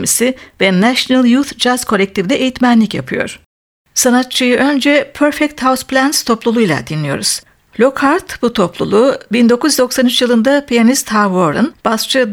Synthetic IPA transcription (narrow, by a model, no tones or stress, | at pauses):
misivɛnæʃnalˠjut̪d͡ʒazkʰo̞lʲɛk̚t̪ʰivd̪ɛʔejit̪mænlʲicja̰pʰɯjo̞̰ɾ̥ | sanat̪t͡ʃʰɯjɯʔø̞nd͡ʒɛpʰøɾfɛk̚t̪hawsplʲænst̪ʰo̞plˠulˠujlˠa̰d̪inlʲijo̞̰ɾuz̥ | lʲo̞khaɾt̪but̪ʰo̞plˠṵlˠubind̪o̞kʰuzd̪o̞ksanyt͡ʃjɯlˠɯnd̪apʰijanist̪havoɾɯ̰nb̥ast͡ʃʰɯ